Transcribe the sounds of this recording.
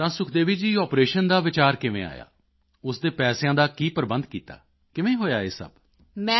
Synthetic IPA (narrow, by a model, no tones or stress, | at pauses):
t̪ãːsʊkʰd̪eːʋiːd͡ʒiːɔːpɾeːʃənd̪aːʋɪt͡ʃaːɾkɪʋḛ̃ːa̰ːja̰ː | ʊsd̪eːpɛːsjãːd̪aːkiːpəɾbənd̪kiːt̪a̰ː | kɪʋẽːɦoːjaːeːsə̰b | mɛ̃ː